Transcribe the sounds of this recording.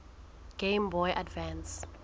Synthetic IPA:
ɡ̥embɔjʔadvɛ̃ns

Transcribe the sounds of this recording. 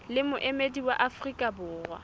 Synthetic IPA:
lɪmʊʔemediwaʔafrikʼabʊːrwa̰

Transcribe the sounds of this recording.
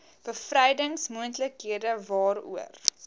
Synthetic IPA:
b̥əfrɛjdəŋsmuəntləkɦiədəvɑːɾṵər

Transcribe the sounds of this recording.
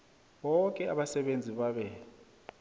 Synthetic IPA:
ɓɔkʼɛaɓasɛɓend͡zʱiɓaɓɛ

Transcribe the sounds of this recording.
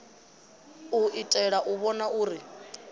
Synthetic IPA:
uitʼɛɺaʔuβɔnauːɾi

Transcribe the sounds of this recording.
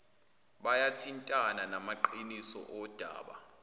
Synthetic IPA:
ɓajatʰintʼananamaǃinisɔ̰ʔɔd̥ʱa̰ːɓa̰

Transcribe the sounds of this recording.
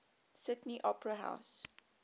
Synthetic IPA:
sɪtniʔɔpɹəɦa̰ʊs

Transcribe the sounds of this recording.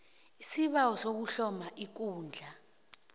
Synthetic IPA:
isiɓawɔsok̬uɬɔmaʔik̬uːnd͡ɮʱa

